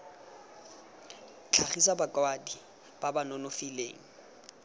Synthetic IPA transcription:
t͡ɬʰaχisabakʼwadi | b̥abanɔnʊfilḛːŋ̩

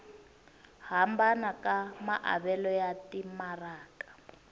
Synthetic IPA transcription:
hambanakamaʔa̰βɛlɔjatimaraːkḁ

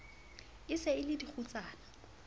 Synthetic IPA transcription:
ɪsɛɪlɪdik͡xʰut͡saːna

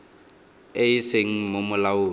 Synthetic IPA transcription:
eɪseŋ̩momʊlaʊː

